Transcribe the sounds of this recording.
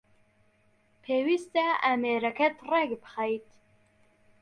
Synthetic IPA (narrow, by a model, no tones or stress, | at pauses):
pʰeːwist̪aæmeːɾɐkʰɛt̪rɛɡbɨ̥xajt̪